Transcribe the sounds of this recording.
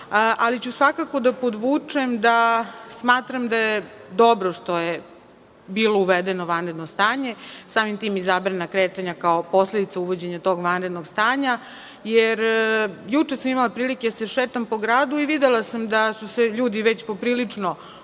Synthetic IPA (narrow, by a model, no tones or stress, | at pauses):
ʔalit͡ɕusʋakako̞d̪apod̪ʋuːt͡ʂemd̪asmaːt̪ɾamd̪ajed̪o̞bɾo̞ʂt̪oje | biːlouʋed̪enoʋanɾed̪nost̪aːɲe̞saːmimt̪iːmizabɾanakɾeːt̪aɲakaopo̞sle̞d̪it̪sauʋo̞d͡ʑe̞ɲat̪o̞ːɡʋanɾed̪noɡst̪aːɲa | jeɾjut͡ʂesamimalˠapɾiːliked̪aseʃeːt̪ampo̞ɡɾaːd̪uiʋid̪elasamd̪asuse̞ʎuːd̪iʋet͡ɕpo̞pɾiːlit͡ʂno̞